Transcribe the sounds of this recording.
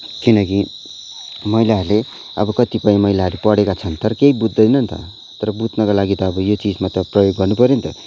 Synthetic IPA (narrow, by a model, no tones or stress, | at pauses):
kinʌki | mʌjlaɦʌɾle | ʌ̰bʌkʌt̪ipʌjĩmʌilaɦʌɾupʌɽekat͡sʰʌnt̪ʌɾʌkeibud̪ʱːʌjnʌnt̪ʌ̰ | t̪ʌɾʌbut̪nʌkalaɡit̪ʌːbʌjot͡sid͡zmat̪ʌprʌjoɡːʌrnupʌɾjunt̪ʌ